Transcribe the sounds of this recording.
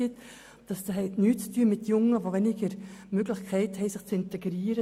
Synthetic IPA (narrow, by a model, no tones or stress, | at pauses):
ɪt̪ | d̥ɑsd̥̪ɑɦɛɪtnyːtt͡styːəmɪt̪jʊŋːəʋovɛnɪɡəɾmøɡlɪχkʰɛɪthɛɪsɪχt͡sɪnt̪ɛɡɾiːəɾə